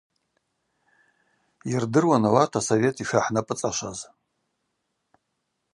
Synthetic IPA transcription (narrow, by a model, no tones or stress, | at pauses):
irdɨrwanawatʰasove̞tʰʼiʃᶣaħnapʼɨt͡sʼaʃʷaz